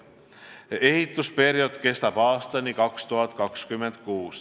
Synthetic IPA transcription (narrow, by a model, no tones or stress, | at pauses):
e̞hit̪ˑuspe̞ɾjo̞d̪̥ke̞st̪ɑb̥ɑːst̪ɑnikɑkst̪uɦɑt̪ːˑkɑkskymːend̪̥kuːs